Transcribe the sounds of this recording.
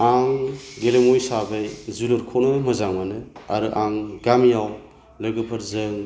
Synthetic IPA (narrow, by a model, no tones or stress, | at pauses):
aŋɡelemojsabɯjzulɯɾkʰonɯmɯzaŋmanɯa̰ɾɯʔaŋɡamijaw | lɯɡɯpʰɐɾzɯŋ